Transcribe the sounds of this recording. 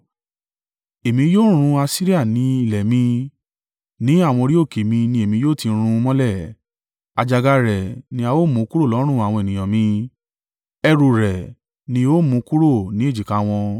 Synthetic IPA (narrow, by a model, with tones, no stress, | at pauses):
e˨mĩ˧joː˦˨ɾ̃ũ˧a˧si˦ɾi˦a˦˨nĩ˨˦i˦˨lɛ˨mĩ˧ | nĩ˨˦a˦˨w̃ɔ̃˧ɾi˦o˦˨ke˨mĩ˧nĩ˧e˨mĩ˧joː˦˨tĩ˧ɾ̃ũ˧mɔ̃˦lɛ˦˨ | a˧d͡ʒa˧ɡa˧ɾɛ˨nĩ˧a˧wo˦˨mũ˨˦˧ku˦ɾo˦˨lɔ˨˦ɾ̃ũ˦˨a˨w̃ɔ̃˧e˨nĩ˨j̃ã˨mĩ˧ | ɛ˧ɾu˨ɾɛ˨ | nĩ˧o˦mũ˨˧˦ku˦ɾo˦˨nĩ˦e˦˨d͡ʒi˨ka˨˦w̃ɔ̃˧